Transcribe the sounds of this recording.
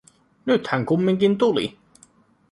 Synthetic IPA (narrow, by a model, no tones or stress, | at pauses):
nyt̪hæŋkumːiŋkint̪ulḭ